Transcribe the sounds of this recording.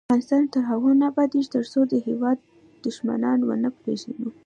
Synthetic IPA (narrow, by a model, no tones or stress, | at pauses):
aɣɑnɪst̪ɑnt̪əɾɦaɣunabɑd̪iʒt̪əɾsod̪əhewɑd̪̚ː | ʊʃma̰nɑnwə̰nəpɾeʒanu